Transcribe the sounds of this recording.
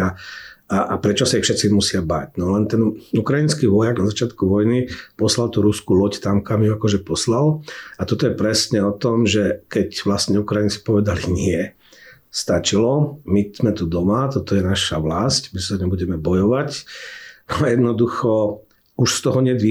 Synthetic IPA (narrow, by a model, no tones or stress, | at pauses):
aaʔapɾɛt͡ʃɔsaixfʃɛt̪simusɪaba̰cnɔlɛnt̪ɛnukɾajinskiːʋɔjaɡnazat͡ʃɪat̪kuʋɔjnipɔslalt̪uɾuskulɔct̪amkamjuakɔʒɛpɔslalat̪ɔt̪ɔjɛpɾɛsɲɛɔt̪ɔmʒɛkɛcʋlast̪ɲɛukɾajint͡si̥pɔʋɛd̪aliɲɪɛ | st̪at͡ʃilɔmiz̥mɛt̪ud̪ɔmat̪ɔt̪ɔjɛnaʃaʋlascmisaɲɛbuɟɛmɛbɔjɔʋac | aɛjɛd̪nɔd̪uxɔ | uʃst̪ɔɦɔɲɛd̪ʋi